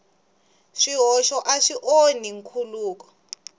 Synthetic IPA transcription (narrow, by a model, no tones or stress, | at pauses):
ʂiɦɔʃɔʔaʂiʔoniŋkʰuluːk̬ɔ̥